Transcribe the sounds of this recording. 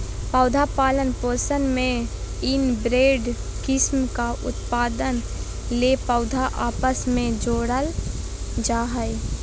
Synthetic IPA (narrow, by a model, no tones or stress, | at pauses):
pəʊd̪ʱapaːlənposənmẽɪnbɾeːɖ | kɪsmkaʔʊ̰t̪paːd̪ən | lepəʊd̪ʱaʔaːpəsmẽd͡ʒoːɽəl | d͡ʒaːɦəj